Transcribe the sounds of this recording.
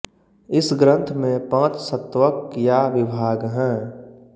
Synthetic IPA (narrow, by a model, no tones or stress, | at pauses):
ɪsɡɾə̃nt̪ʰmẽpə̃ːt̪sət̪ʋəkjaʋɪbʱaːɡɦɛ̃ː